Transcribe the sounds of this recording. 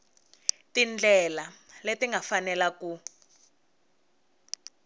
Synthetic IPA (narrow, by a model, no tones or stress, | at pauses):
tind͡ɮɛlaletiŋɡʱafanɛlaku